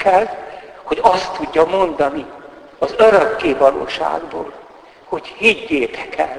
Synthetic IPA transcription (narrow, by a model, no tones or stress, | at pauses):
kɛlho̞ɟɒst̪ːuɟːɒmo̞nd̪ɒni | ɒzøɾøkːeːvɒlo̰ːʃa̰ːɡboːl | ho̞chiɟːeːt̪ɛ̥kɛ̰l